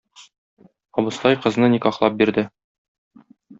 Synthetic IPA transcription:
ɒbɤ̆st̪ɑjqɤ̆znɤnikɒχlˠɑp̚biɾd̪ɘ

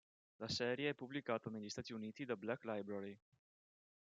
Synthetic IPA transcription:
lasɛɾjeepublikat̪aneʎːist̪at̪iunit̪id̪ablaklajbɾaɾi

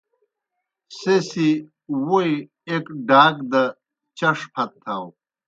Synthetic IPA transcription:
sesi | wuj | ekɖaːkd̪ɐ | t͡ɕɐʂpʰɐt̪ʰːaw

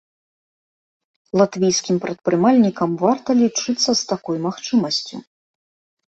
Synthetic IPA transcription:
lˠat̪vʲijskʲimpɾɐt̪pɾɨmalʲnʲikɐmvart̪ɐlʲit͡ʂɨt̪sːɐst̪akɔjmaxt͡ʂɨmɐsʲt͡sʲṵ

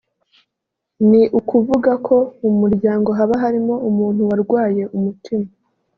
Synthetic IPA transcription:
niʔukuvuɡakʰo̞umuɾɟaːŋɡo̞ɦaβaɦaɾimo̞umuːn̥huwaɾɡwaːje̞umutʰima

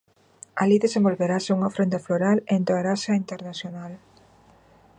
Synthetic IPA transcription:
aliðesembolβeɾaseuŋɐfɾont̪afloɾalent̪oeɾasɐint̪eɾnaθjonal

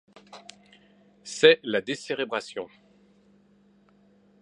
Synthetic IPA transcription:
sɛlad̪eselebʁasjɔ̃

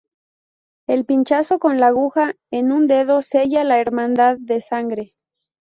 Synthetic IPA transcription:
e̞lpint͡ʃaso̞ko̞nlaɣuxa | enũnd̪e̞ðo̞se̞ʝalaeɾmãnd̪aðːe̞saŋɡɾe̞

